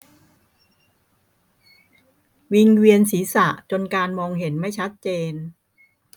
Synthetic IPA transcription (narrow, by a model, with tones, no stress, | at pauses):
wi˧ŋwi˧ənsiː˩˦sa̰˨˩ʔt͡ɕo˧nkaː˧nmɔː˧ŋɦe˩˦nma˥˩jt͡ɕʰa˦˥t̪̚t͡ɕeː˧n